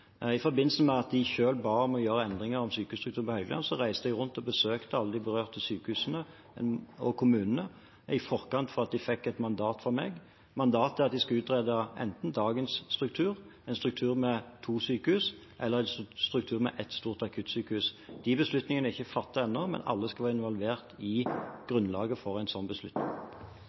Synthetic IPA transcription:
ɪfɔɾbɪnl̩səmɛɑt̪̚d̪ɪçøːlbɑːɔmɔjøːɾəɛnd̪ʁɪŋəɾɔmsyːkəhʉst̪ɾʉkt̪ʰʉːnpɔhœʏɡ̪əlɑ̰nsɔʁæɪsd̪əɛɡʁʉnt̪ɔbəsøːkt̪əɑlːəd̪ɪbəʁøːʁt̪əsyːkəhʉːsnə | ɔkʰʊmʉːnən̩ə | ɪfɔʁkɑnt̪fɔɾɑt̪̚d̪ɪfɛkːɛt̪mɑnd̪ɑːt̪fɔɾmḛːɡ | mɑnd̪ɑːt̪ɛɑt̪̚d̪ɪskɑʉːt̪ʁeːd̪ɑʔɛ̰nt̪n̩d̪ɑːɡənsːt̪ʁʉk̚t̪ʰʉːʁæɪnst̪ʁʉk̚t̪ʰʉːʁmɛt̪ʰuːsyːkəhʉːs | ʔɛlːəʁæɪnst̪ʁʉk̚t̪ʰʉːʁmɛ̰ʔɛt̪st̪uːʁt̪ɑkʰʉːt̪syːkəhʉːsd̪̥ɪbəslʉt̪nɪŋənəɪçːəfɑt̪ːəɛnːɔmɛ̰nɑ̰lːəskɑʋɑːɪnʋɑlʋeːʁt̪ɪɡ̥ʁʉnːlɑ̰ːɡəfɔʁæɪnsɔnbəslʉt̪nɪ̰ŋ

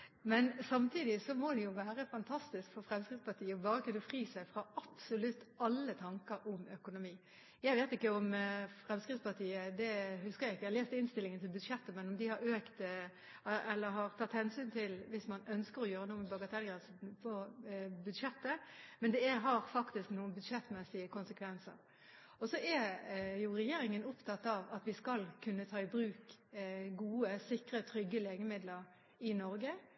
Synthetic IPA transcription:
mɛnsɑmt̪ʰiːd̪ɪsɔmod̪ɛjʊʋæːʁəfɑnt̪ʰɑst̪ɪskfɔɾfɾɛmskɾɪt̪spɑt̪iːəɔbɑːɾəkʉnːəfɾiːsæɪfɾɑɑpsʊlʉt̪ːɑlːət̪ʰɑŋkəɾɔmœkʊnʊmiː | jæɪʋeːt̪ɪkːəɔmfʁɛmskʁɪtspɑt̪ʰiːəd̪ɛhʉskəɾjæɪkːəleːst̪ɪnst̪ɪlːɪŋənt̪ʰɪlbʉd̪ʂɛt̪ːəmɛnʊmd̪ɪhɑɾøːkt̪ | ɛlːəɾɦɑʁt̪ʰɑt̪ːhɛnsyːnt̪ʰɪlʋɪsmɑnœnskəɾɔjøːɾənuːmɛbɑɡət̪ʰɛlɡɾʁɛnsn̩pʰɔbʉd̪ʂɛt̪ːəmɛnd̪ɛæɦɑɾfɑkt̪ɪsknuːənbʉd̪ʂɛt̪ːmɛsɪəkʰʊnsəkʰʋɛnsə̰ɾ | ɔsɔɛjʊɾɛjeːɾɪŋənʊpt̪ʰɑt̪ːɑʋɑt̪ʋɪskɑlkʰʉnːət̪ʰɑːɪbɾʉːk | ɡuːəsɪkɾət̪ʰɾʏɡːəleːɡəmɪd̪ləɾ | ɪnɔɾɡə

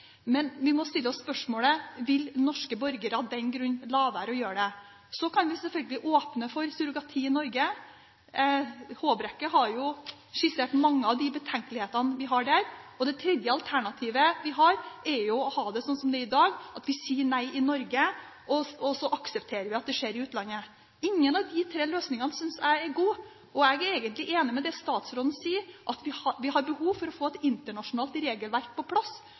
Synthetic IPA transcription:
mɛnʋɪmɔst̪ɪlːəɔsːpœʂmoːləʋɪlnɔʂkəbɔɾɡəɾɑd̪ɛnɡɾʉnːlɑːʋæːɾɔjøːɖɛ | sɔkʰɑnʋɪsɛlfœlɡəlɪʔoːpnəfɔɾsʉɾʊɡɑt̪ʰiːɪnɔɾɡə | hoːbɾɛkːəɦɑɾjʊ | ʂɪseːʈ̪mɑŋːəɑʋd̪ɪbət̪ʰɛŋkəlɪheːt̪ɑnʋɪɦɑɖæɾɔd̪ɛt̪ʰɾɛd̪jəɑlt̪ʰæɳɑt̪ʰiːʋəʋɪɦɑɾɛɾjʊɔhɑːd̪ɛsɔnsɔmd̪ɛɾɪd̪ɑːɡɑt̪ʋɪsiːəɳæɪɪnɔɾɡə | ɔɔsɔʔɑksəpt̪ʰeːɾəʋɪɑt̪̚d̪ɛʂeːɾɪʉːt̪lɑnːə | ɪŋːənɑʋd̪ɪt̪ʰɾeːløːsnɪŋɑnəsʏnsæɪɛɾɡuː | ɔɛɡɛɾeːɡənt̪lɪʔeːnɪmɛd̪ɛst̪ɑːt̪sɾoːd̪n̩siːəɾʔɑt̪ʋɪɑʋɪɦɑɾbəhuːʋfɔɾɔfoːɛt̪ɪnt̪əɳɑʂʊnɑːlt̪ɾeːɡəlʋæɾk̚pʰɔpʰlɑsː

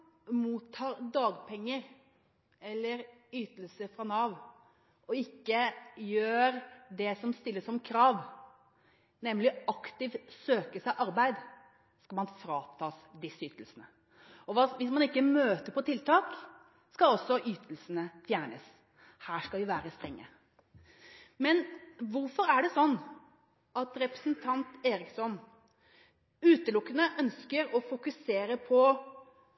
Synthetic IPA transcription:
muːt̪ʰːɑːɾd̪ɑːɡpʰɛŋːəɾ | ɛlːəɾyːt̪əlsəfɾɑnɑːʋ | ɔɪkːəjøːɾd̪ɛsɔmst̪ɪlːəsɔmkʰɾɑːʋ | nɛmlɪɑkt̪ɪʋsøːkəsæɪʔɑɾbæɪd̪ | skɑlmɑnfɾɑːt̪ʰɑːsd̪ɪsyːt̪əlsənə | ɔʋɑʋɪsmɑnɪkːəmøːt̪əɾpɔt̪ʰɪlt̪ʰɑːk | skɑɔsːɔʔyːt̪ʰəlsənəfjæːɳə̰s | hæːʂkɑlʋɪʋæːɾəst̪ɾɛŋːə̰ | mɛnʋʊɾfɔɾæɖɛsɔnː | ɑt̪ɾɛpɾə̥sənt̪ʰɑnt̪eːɾɪksɔn | ʉːt̪əlʊkːənəʔœnskəɾɔfʊkʉseːɾəpʰɔ

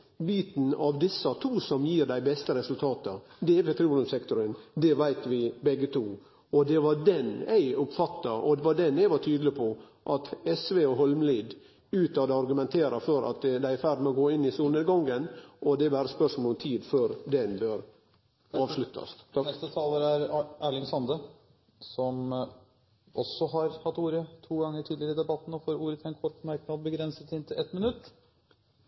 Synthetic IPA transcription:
biːt̪n̩ɑʋd̪ɪsɑt̪ʰuːsɔmjiːɾd̪æɪbɛst̪əɾɛsʉlt̪ʰɑːt̪ə | d̪ɛpɛt̪ʰɾiːlʉmsɛkt̪ʊɾənd̪ɛʋæɪt̪ʋɪbɛɡːət̪ʰuː | ɔd̪ɛʋɑdɛnæ̰ɪʊpfɑt̪ːɑʔɔ̰d̪ɛʋɑɖ̪ɛnæɪʋɑʈʰyːd̪lɪpʰɔ | ʔɑt̪ɛsʋeɔɦɔlmliːd̪ | ʉːt̪ɑd̪ɛɑɾɡʉmɛnt̪ʰeːɾɑfɔɾɑ̰t̪d̪æɪæɾfæɾɖmɛɔɡoːɪnːɪsuːlneːd̪ɡɑŋɡənʔɔd̪ɛʋæːɾəspœʂmɔlɔɔmt̪ʰiːd̪føːɾd̪ɛnbøːɾ | ɑːʋʂlʉt̪ʰːɑ̰snɛst̪ət̪ʰɑːləɾæɾæːɭɪŋsɑnd̪ə | sɔm | ʔɔsːɔɦɑɾhɑt̪ːuːɾət̪ʰuːɡɑŋːəʈʰiːd̪lɪəɾəɪd̪ɛbɑt̪ːn̩ɔfoːɾuːɾət̪ʰɛnkʰɔʈːmæɾknɑd̪̚bəɡɾɛnsət̪ɪnt̪ʰɪlɛt̪mɪnʉt̪ː

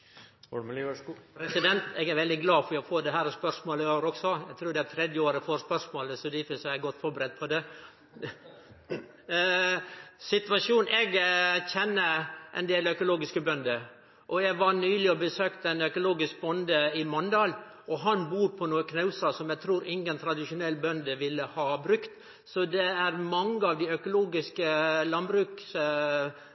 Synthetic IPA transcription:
pɾɛsɪd̪ɛnt̪ɛɡæɾʋɛld̪ɪɡlɑːfɔɾjɛɡfoːd̪ɛɦæːɾɔspœɾʂmoːləoːʋəɾɔksɔæɡt̪ʰɾuːd̪ɛæɾt̪ʰɾɛd̪jəoːɾəfoːɾspœɾsmoːləsɔd̪ɪfɪsɛɡɔt̪ːfɔɾbəɾɛt̪̚ːpʰɔd̪ɛ | sɪt̪ʋɑʂuːnɛɡçɛnːəʔɛ̰nd̪eːlœkʊloːɡɪskəbœnd̪ə | ʔɔɛɡʋɑnyːlɪɔbəsøːkt̪əɛnœkʊloːɡɪsk̚bɔnd̪əɪmɔnd̪ɑːl | ʔɔɦɑnbuːɾpʰɔnuːəkʰnɑʉsɑsɔmjæɡ̚t̪ʰɾuːɾʔɪŋːənt̪ʰɾɑd̪ɪʃʊnɛlːbœnd̪əʋɪlːəhɑːbɾʉkt̪ | sɔd̪ɛæɾmɑŋːəɑʋd̪ɪœkʊloːɡɪskəlɑnbɾʉːks

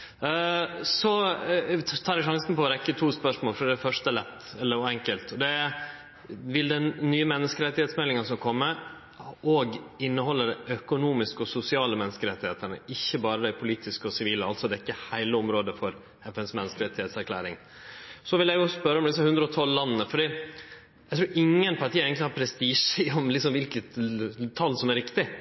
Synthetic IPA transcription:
sɔ | t̪ʰɑːɾæʂɑŋsnpɔɔɾɛkːət̪ʰuːspœʂmoːlfɾɖ̪ææfœʂt̪əlɛt̪ːɛlːəɾɔɛŋkəlt̪ɔd̪ɛ | ʋɪld̪ɛnːyːəmɛnːəskəɾɛt̪ːɪheːt̪smɛlːɪŋəsɔmkʰɔmːə | ɔɡɪnːəhɔlːəɖ̪æʔœkʊnuːmɪskəɔsʊsɪɑːləmɛnːəskəɾɛt̪ːɪheːt̪ənə̰ʔɪçːəbɑːɾəd̪æɪpʰʊliːt̪ɪskəɔsɪʋiːləɑlt̪sɔd̪ɛkːəhæɪləɔmɾoːd̪əfɔɾ | ɛfɛnsmɛnːəskəɾɛt̪ːɪeːt̪sæɾkʰlæ̰ːɾɪŋ | sɔʋɪljæjʊsspœɾːəɔmd̪ɪs̬ːɑhʉnd̪ɾəɔt̪ʰɔlːɑnːənəfɔɖiː | jæt̪ɾuːɾʔɪŋːənpʰɑɾʈʰiːəɛɪɡnt̪ɪhɑːɾpʰɾɛst̪iːʂəɔmlɪksɔmʋɪlkət̪t̪ʰɑlːsɔmæɾɪkt̪ɪ

